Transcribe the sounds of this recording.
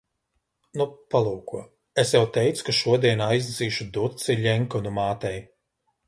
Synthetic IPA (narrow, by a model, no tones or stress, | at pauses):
nupalˠuːkuɔ | esjawt̪ɛjt̪su̥kaʃuɔd̪iɛnajzd̪ziːʃud̪ut̪siʎʲɛŋkɔnumaːt̪ɛj